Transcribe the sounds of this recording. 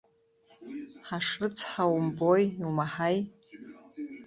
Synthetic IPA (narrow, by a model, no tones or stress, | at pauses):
ħaʂrɨt͡sʰħawmbojwmaħaj